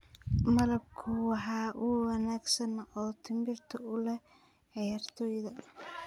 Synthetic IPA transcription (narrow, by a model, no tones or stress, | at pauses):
mɐlɐb̚kʰʊwɑħɑːʔʊwɑnaːɡsɐnɔːt̪ʰɪmbɪrt̪ʰɐʊlɛ | ʕɑjaːrt̪ʰɔːjðɐ